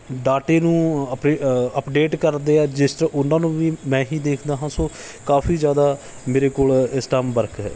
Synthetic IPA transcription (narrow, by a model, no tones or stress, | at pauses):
ɖaːʈeːnũːəpeəpɖeːʈkəɾd̪eːɛːd͡ʒɪsʔʊnãːnũːʋiːmɛ̃ːɦiːd̪eːkʰd̪aːɦãːsoː | kaːfiːzjaːd̪aː | meːɾeːkoːlɪsʈaːmbəɾkɦɛ̰ː